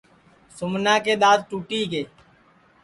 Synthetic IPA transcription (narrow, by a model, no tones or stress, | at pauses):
sʊmnãːkeːɗ̪aːzʈuːʈiːɡeː